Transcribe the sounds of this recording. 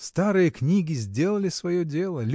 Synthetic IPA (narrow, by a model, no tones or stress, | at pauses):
st̪aɾɨjəknʲiɡʲɪzʲdʲe̞lˠəlʲɪsvɐjodʲe̞lˠəlʲ